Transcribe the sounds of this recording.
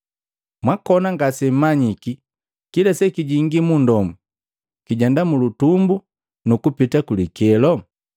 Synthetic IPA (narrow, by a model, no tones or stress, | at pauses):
mwakɔnaŋɡasɛm̩maɲiki | kilasɛkiɟiŋɡimundɔmu | kiɟɛndamulutumbu | nukupitakulikɛlɔ